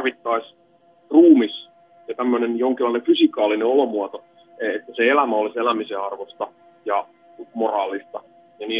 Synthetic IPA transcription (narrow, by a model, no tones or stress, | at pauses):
ʋit̪ːɑis | ruːmis | jɑt̪æmːønenjoŋkilːɑĭnefysikɑːlineolomuɑt̪o | et̪ːæseelæmæoliselæmiseɑrʋost̪ɑ | jɑ | morɑːlˑist̪ɑ | jɑniː